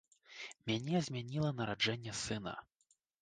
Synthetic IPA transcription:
mʲanʲɛzʲmʲanʲilˠɐnɐɾad͡ʐɛnʲːɛsɨnɐ̰

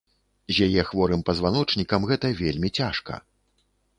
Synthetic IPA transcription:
zʲjajɛxvɔɾɨmpɐzvanɔt͡ʂnʲikɐmɣɛt̪ɐvʲelʲmʲit͡sʲaʂkɐ̰

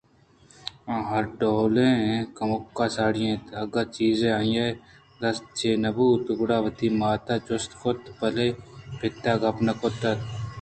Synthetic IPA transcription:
ãːɦɐɾɖoːlẽːkɐmʊkːaːsaːɽijẽːt̪ɐɡɐɾt͡ʃiːzẽːaːĩjaː | d̪ɐst͡ʃʰeːnɐbuːt̪ʊɡʊɽaːʋɐt̪iːmaːt̪aːt͡ʃʊst̪kʊt̪pɐleːpɪt̪ːaːɡɐpnɐkot̪ɐt̪

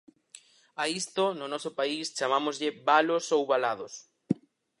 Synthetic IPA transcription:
aist̪ʊnʊnɔsʊpaist͡ʃamamozʎɪbalosowβalaðʊs

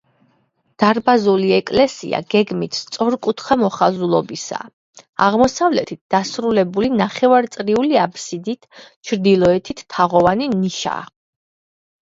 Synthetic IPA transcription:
d̪̥aɾbazuliɛkʼlɛsḭa̰ɡ̥ɛɡmit̪ʰst̪sʼɔɾkʼut̪ʰχʰamɔχazulˠɔbisa̰ | aʁmɔsavlɛt̪ʰit̪̚d̪̥asɾulɛbulinaχɛvaɾt̪sʼɾiuliapʰsid̪it̪ʰt͡ʃʰɾd̪ilˠɔɛt̪ʰit̪ʰːaʁɔvaniniʃa̰

